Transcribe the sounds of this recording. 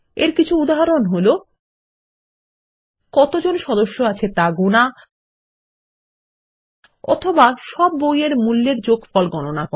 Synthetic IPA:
eɾkit͡ɕʰuud̪aɦaɾonɦolo | kɔt̪od͡ʑonʃɔd̪oʃːoat͡ɕʰet̪aɡuna | ɔ̰t̪ʰobaʃɔbːojeɾmulːeɾd͡ʑoɡfɔlɡɔnonako

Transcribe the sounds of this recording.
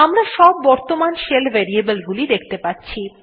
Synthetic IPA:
amɾaʃɔbːɔɾt̪omanʃelbɛɾiebelɡulid̪ek̚ʰt̪epatːɕʰi

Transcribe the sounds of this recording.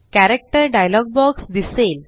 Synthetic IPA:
kæɾek̚ʈəɾɖajlɔɡ̚bɔɡsd̪isel

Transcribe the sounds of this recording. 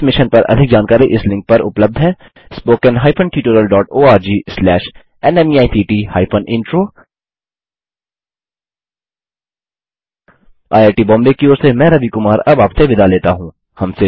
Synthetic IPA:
mɪʃənpɐɾʔɐ̰d̪ʱɪk̚d͡ʒaːnkaːɾiʔɪslɪ̃ŋk̚pɐɾʊpləb̚d̪ʱɦɛː | spoːkənɦaːɪpʰənʈiːʈoːɾəlɖɔːʈoːaːɾd͡ʒiːslɛːʃ | ɛnɛmiaːit̪ʰiːʈiːhaːɪfʰənʔɪ̃ɳʈɾoː | a̰ːjaːɾʈiːbɔ̃ːmlekioːɾsemɛ̃ːɾɐbikʊmaːɾɐbaːpseʋɪd̪ʱaleːt̪aɦũː | hɐmse

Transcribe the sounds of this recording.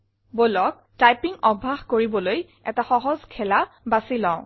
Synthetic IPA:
bolɔk̚ | tajpiŋɔbʱːaxkoɹibɔloj | ɛ̰taxɔɦɔzkʰɛlabasilɔ̃ʊ̃

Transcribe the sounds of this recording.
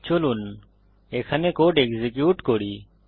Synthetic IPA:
t͡ʃolun | eːkʰənekoːɖekzekjuːʈkoɽiː

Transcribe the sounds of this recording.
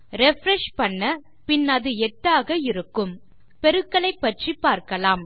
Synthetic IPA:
ɾɛfɾɛʂpɐɳːɐ | pɪnːɐðɯɛʈːaːɣɐɪɾɯkːɯm | pɛɾɯkːɐɭɐɪpːɐʈripːaːɾkɐlaːm

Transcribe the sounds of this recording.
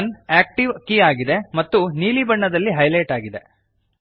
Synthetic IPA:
neːk̚ʈiʋkiaːɡid̪e̞mɐt̪ːuniːlibɐɳːɐd̪ɐlːiɦɐjlɐjʈaːɡid̪e̞

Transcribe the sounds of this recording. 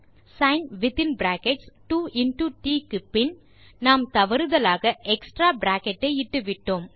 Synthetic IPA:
sɐɪnʋɪt̪ɪnbɾaːkɛʈsʈuːʔɪnʈuʈiːkɪpːɪn | naːmt̪ɐʋɐɾɯðɐlaːɣɐʔɛksʈɾaːbɾaːkɛʈːɐɪɪʈːɯʋɪʈːoːm

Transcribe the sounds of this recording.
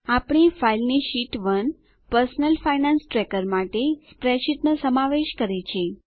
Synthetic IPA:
apɽ̃ifailniʃiʈʋən | pəɾsnəlfainansʈɾɛkəɾmaʈespɾɛʃit̪nəsəmaʋeʃkəɾet͡ʃʰie

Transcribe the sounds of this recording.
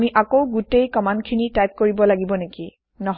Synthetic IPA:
miʔakowɡutejkɔmandkʰinitajp̚koɹibɔlaɡibɔneki | nɔɦ

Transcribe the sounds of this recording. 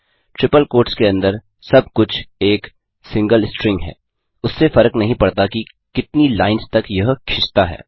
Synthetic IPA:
ʈɾɪpəlkoːɾʈskeɐ̃nd̪əɾ | sɐb̚kʊt͡ʃʰeːk | sɪ̃ŋɡəlsʈɾɪ̃ŋɡɦɛ̰ː | ʊsːefɐɾəknɐɦĩpɐɽt̪aki | kɪt̪nilaːɪnst̪ɐkjɐɦkʰɪʃt̪aɦɛ̰ː

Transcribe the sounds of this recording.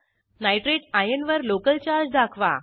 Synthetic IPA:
najʈɾeʈajənʋəɾlokəlt͡ɕaɾd͡zd̪akʰʋa̰

